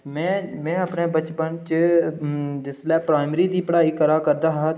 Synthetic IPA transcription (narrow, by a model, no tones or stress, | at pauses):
mɛ̃ːmɛ̃ːəpneːbət͡ʃpənt͡ʃ | d͡ʒɪslɛːpɾaːɪmɾiːd̪iːpəɽaːiːkəɾaːkəɾd̪aːɦaː